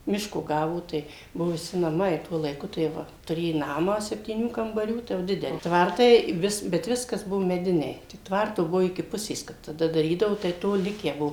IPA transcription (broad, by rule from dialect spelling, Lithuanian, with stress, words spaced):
ˈmʲɪʃkoː ˈɡɑːʋoː ˈtɐɪ ˈbʊʋʊ ʋʲɪˈsʲɪ nɐˈmɐɪ ˈtuɔ lˠɐɪˈkʊ tɐɪ ˈʋɐ tʊˈrʲeː ˈnɑːmɑː sʲɛpʲtʲiːˈnʲuː kɐmbɐˈrʲuː ˈtɐɪ jɛʊ ˈdʲɪdʲɛlʲɪ ˈtʋɐrtɐɪ ˈʋʲɪs bʲɛt ˈʋʲɪskɐs ˈbʊʋoː mʲɛˈdʲɪnʲɛɪ ˈtʋɐrtoː ˈbʊʋoː ɪkʲɪ ˈpʊsʲeːs ˈkɐp tɐˈdɐ dɐˈrʲiːdɐʋoː tɐɪ ˈtoː ˈlʲɪkʲæː ˈbuɔ